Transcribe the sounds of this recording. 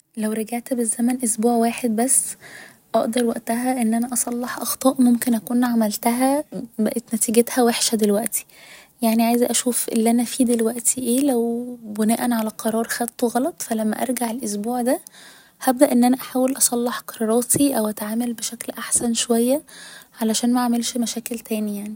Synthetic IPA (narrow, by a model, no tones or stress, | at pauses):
læwɾɑɡaʕt̪bezːæmænʔosbuːʕwaːħed̪̚bæsː | ʔɑʔd̪ɑɾˤwæʔt̪æɦæʔenːʔænæʔɑsˤɑlːeħʔɑxt̪ˤɑːʔmomkenʔækuːnʕamælt̪æɦæbæʔet̪næt̪iːɡet̪hæweħʃæd̪elwæʔt̪i̥jaʕniʕajezʔæʃuːfʔḛlːʔænæfiːd̪elwæʔt̪iʔeːlæwbenæːʔænʕalæqʰɑɾˤɑːɾˤxæt̪ːoɣɑlɑt̪ˤfælæmːæ̰ʔɑɾˤɡaʕelʔos̬buːʕd̪æ | hæb̚d̪æʔenːʔænæʔaħaːwelʔɑsˤɑlːeħqɑɾˤɑɾˤɑːt̪ʰiʔæwʔæt̪ʕaːmælbeʃæklʔaħsænʃowæjːæʕalæʃæːnmæʕamelʃmæʃæːkelt̪ʰæːnijaʕni